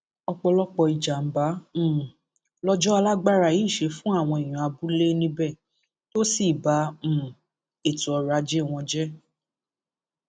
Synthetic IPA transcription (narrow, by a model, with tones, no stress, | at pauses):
ɔ˧k͡pɔ˧lɔ˦k͡pɔ˧i˨d͡ʒa˨m̩˨˦bã˨˦˨ | lɔ˦d͡ʒɔ˦a˧la˦ɡ͡ba˦ɾa˨ji˨˦˨ʃe˧fũ˦a˦˨w̃ɔ̃˧i˨j̃ũ˨a˧bu˨˦le˦nĩ˧bɛ˦˨ | to˦si˦˨bã˨˦˨ | e˦˨tu˨˦ɔ˨˧ɾa˧˦d͡ʒe˦˨w̃ɔ̃˧d͡ʒɛ˦